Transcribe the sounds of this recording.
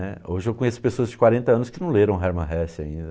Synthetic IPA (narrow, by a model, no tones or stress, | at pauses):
ɛoʒɪewkõjesʊ̥pesoɐzd͡ʒɪkwaɾẽnt̪ɐɐ̃nʊskɪnɐ̃w̃leɾɐ̃w̃ɦɛɾmɐ̃ɦɛsɪaĩnd̪ɐ